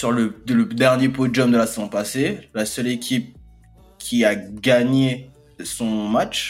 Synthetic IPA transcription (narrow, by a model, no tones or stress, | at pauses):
syʁlələd̪ɛʁnjepod͡ʒɔmd̪əlasezɔ̃paselasœlekʲʰip̚ | kʲʰiaɡaɲe | sɔ̃mat͡ʃ